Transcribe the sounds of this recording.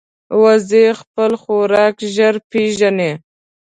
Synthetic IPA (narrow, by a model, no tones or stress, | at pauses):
wazexpəlxoɾɑkʒəɾpeʒane